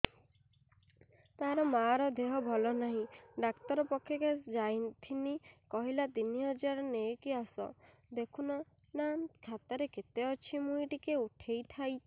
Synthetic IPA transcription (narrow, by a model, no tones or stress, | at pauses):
t̪aɾɔmaɾɔd̪eɦɔbʱɔlɔnaɦĩɖakt̪ɔɾɔpɔkʰːjɔked͡ʒajt̪ʰinikɔɦilat̪iniɔd͡ʒaɾɔnekiasɔ̰ | d̪ekʰunɔ | nankʰat̪ɔɾeket̪eɔt͡ʃʰimujʈikeuʈʰejt̪ʰajʰ